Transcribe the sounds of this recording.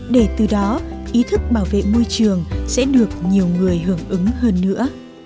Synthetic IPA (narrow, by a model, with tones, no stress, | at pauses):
ɗe˧˩t̪ɨ˨˩ɗɔ˨˦ʔi˨˦t̪ʰɨ˦˥k̚ɓaː˧˩wvḛ˧˨mo˧jt͡ɕɨ˨˩əŋsɛ̰˧˥ɗɨ˨˩ək̚ɲi˨˩əwŋɨ˨˩əjɦɨ˧˩əŋʔɨ˨˦ŋhəː˧nːɨ̰˧˥ə